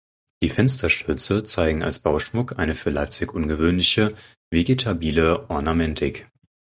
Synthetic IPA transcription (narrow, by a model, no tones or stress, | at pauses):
d̥iːfɛnstʰɐʃtʰʏɐt͡sət͡saɪɡŋ̩a̰lsb̥aʊʃmʊkʔaɪnəfyːɐlaɪp̚t͡sɪçʔʊnɡəvøːnlɪçə | veɡetʰabiːləʔɔɐnamɛntʰɪk